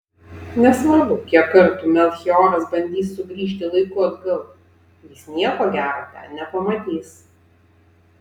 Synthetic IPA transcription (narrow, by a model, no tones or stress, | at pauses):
nʲɛsʋɐɾbʊkʲiɛkkːɐɾt̪uːmʲɛlʲˠxʲiɔːɾɐsbɐnʲd̪ʲiːsːʊɡɾʲiːʃ̬ʲt̪ʲɪlˠɐɪkʊɐd̪ɡɐlˠ | jiːˑsnʲiɛkoːɡʲæːɾoːt̪ʲɛ̰nʲɛpɐmɐt̪ʲiːs